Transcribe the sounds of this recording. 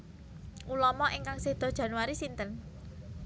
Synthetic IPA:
ʔulɔmɔʔiŋkaŋsehd̪̥ɔ̤d̥ʒ̥a̤nuwaɾisint̪ən

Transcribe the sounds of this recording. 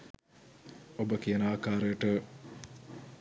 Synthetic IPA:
obəkijənaːkaːɾəjəʈə

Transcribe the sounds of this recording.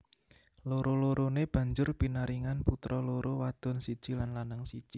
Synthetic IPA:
loɾoloɾoneb̥ä̤ɲd͡ʒʊrpinaɾiŋanput̪ɾɔloɾowad̪̥ɔ̤nsid̥ʒ̥i̤lanlanaŋsid̥ʒ̥i

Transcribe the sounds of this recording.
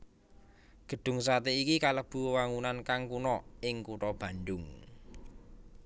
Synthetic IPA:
ɡ̥ə̤ɖ̥ʊ̤ŋsat̪eikikaləb̥ṳwaŋunankaŋkunɔɪŋkuʈɔb̥ä̤ɳɖʊŋ

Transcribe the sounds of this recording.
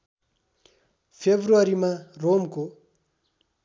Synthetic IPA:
fʰebʱruaɾimaromku

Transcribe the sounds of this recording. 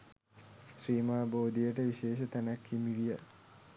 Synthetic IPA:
sɾiːmaːboːd̪ijəʈəʋiʃeːʃət̪ænækːimiʋijə

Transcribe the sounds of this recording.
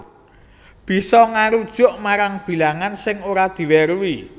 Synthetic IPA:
b̥i̤sɔŋaɾud̥ʒ̥ʊʔmaɾaŋb̥i̤laŋansɪŋoɾad̪̥i̤wɛɾwi

